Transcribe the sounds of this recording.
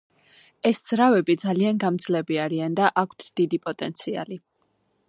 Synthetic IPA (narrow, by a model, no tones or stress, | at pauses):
ɛsd̪z̥ɾavɛbid̪zalianɡamd̪zlɛbiaɾiand̪aʔakʷʰt̪ʰd̪̥id̪ipʼɔt̪ʼɛnt̪sʰia̰li